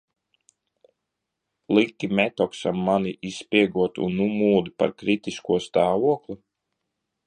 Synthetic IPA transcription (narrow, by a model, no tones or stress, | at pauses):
lˠikʲːimʲɛt̪ɔksamːaniʔispʲiɛɡuɔt̪ṵnːumuːd̪ipa̰ɾkɾit̪iskuɔst̪aːvuɔklʲˠu